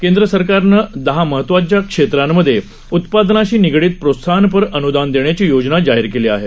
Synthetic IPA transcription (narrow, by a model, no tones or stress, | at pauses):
kend̪ɾəsəɾkaɾnəd̪əɦaməɦət̪ːʋat͡ɕjakʂet̪ɾamːəd̪ʱːje | ut̪pad̪naɕiːniɡɽiːt̪̚pɾosʰanp̬əɾənud̪and̪eɳjat͡ɕiːjod͡znad͡ʑaɦiɾkeliːa̰ɦe